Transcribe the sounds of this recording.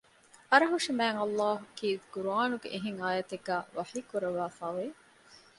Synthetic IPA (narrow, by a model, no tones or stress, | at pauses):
ɐɾɐɦuʂimæːŋɐlːaːɦukiːd̪ɡ̥uɾuaːnuɡḛʔiɦiŋaːjɐt̪eɡæːʋɐħiːkuɾɐʋaːfaːʋe